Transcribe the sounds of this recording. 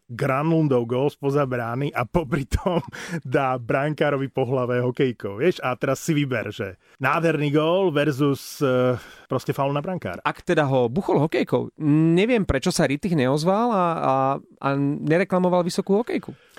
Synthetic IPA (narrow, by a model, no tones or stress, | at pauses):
ɡɾanlund̪ɔʊɡɔːlspɔzabɾaːniʔapɔpɾit̪ʰɔmd̪aːbɾaŋkaːɾɔʋipɔɦlaʋɛɦɔkɛjkɔʊʋɪɛʃat̪ɛɾasːiʋibɛ̰ɾʒɛ̰ | naːd̪ɦɛɾniːɡɔːlʋɛɾzus | pɾɔscɛfaʊlnabɾaŋka̰ːɾaʔakt̪ɛd̪aɦɔbuxɔlɦɔkɛjkɔ̰ʊɲɛʋɪɛmpɾɛt͡ʃɔsaɾit̪ixɲɛɔzʋala | a̰ɲɛɾɛklamɔʋalʋisɔkuːɦɔkɛjku